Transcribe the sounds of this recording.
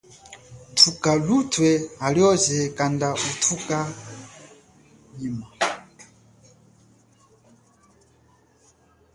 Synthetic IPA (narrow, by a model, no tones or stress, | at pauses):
tʰukalutʰwɛaljɔzɛkandautʰuka | ɲima